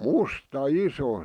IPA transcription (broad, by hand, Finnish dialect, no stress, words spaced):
mustɑ iso